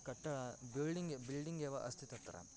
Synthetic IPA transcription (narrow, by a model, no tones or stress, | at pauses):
kɐʈːɐɭɐbilɖiŋɡbilɖiŋɡeːʋɐʔɐst̪ʰit̪ɐt̪ːɐɾɐ̰